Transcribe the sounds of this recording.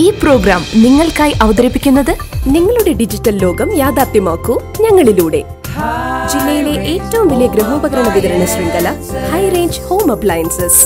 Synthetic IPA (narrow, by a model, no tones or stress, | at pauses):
iːpro̞ːɡɾaːmniŋːɐɭkaːjʔɐʋɐd̪ɐɾipːikʲːunːɐðɨniŋːɐɭuɽe̞ɖid͡ʑitːɐlːo̞ːɡɐmjaːd̪aːt̪jɐmaːkːu | ɲɐŋːɐɭiluːɽe̞̰ | d͡ʑilːɐjile̞ʔeːtːɐʋumʋilijɐɡɾɐɦoːbɐɡɐɾɐɳɐʋid̪ɐɾɐɳɐsrind̪ɐlɐhɐjreːɲd͡ʑho̞ːmɐpɭaːjɐnsɨs